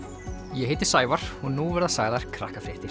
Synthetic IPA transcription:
jɛɦeːjt̪ɪ̥saːjvaɾ̥hunːuvɛɾðasaːɣðaɾ̥kʰɾa̰hkafɾɪht̪ɪ

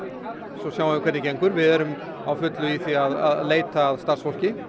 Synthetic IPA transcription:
sɔsjaːwavɪkʰɛt̪nɪcejŋkʏɾvɪðɛɾʏm | awfʏt̪lʏiθiaða̰ðleːjt̪aːðst̪aɾ̥sfɔl̥cɪ

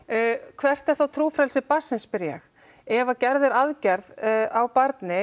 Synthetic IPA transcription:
kʰvɛr̥t̪ɛɾ̥θawt̪ʰɾuːfɾɛlsɪpasːɪnspɪɾjɛ̰x | ɛvacɛɾðʏɾaðcɛɾðawpaɾt̪nɪ

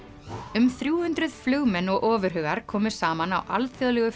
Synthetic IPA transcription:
ʏmθɾjuːhʏnt̪ɾʏð̥flœːɣmɛnːɔɣʔɔːvʏɾ̥ɦœːɣaɾ̥kʰɔːmʏ̥saːmanawʔa̰lθjɔðlɛɣʏ

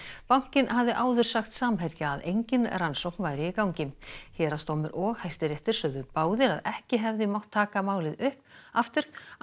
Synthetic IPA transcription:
pawŋ̥cɪnhavðɪʔaːwðʏɾ̥saxt̪saːmɦɛɾcaaðejɲcɪnransowknvaːjɾɪːkawɲcɪmçɛːɾast̪owmɪɾʔɔɣhajst̪ɪɾɛft̪ɪɾ̥sœðʏpaːwðɪɾaðɛhcɪɦɛvðɪmawht̪ʰːaːkamaːwlɪðʏhpaft̪ʏɾ̥

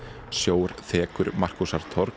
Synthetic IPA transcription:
sjoːwɾθɛːkʏɾmar̥kusaɾ̥t̪ʰɔɾ

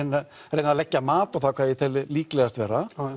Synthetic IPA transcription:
nːa | ɾejnːaðlɛcːamaːt̪ɔɣθakʰvaːjɪt̪ʰɛlɪliːklɛɣast̪vɛːɾa

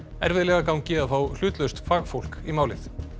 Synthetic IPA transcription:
ɛ̰ɾvɪðlɛːɣakawɲcɪaðfaːwl̥ʏːt̪lœɥst̪faːɣfowl̥kimaːwlɪθ

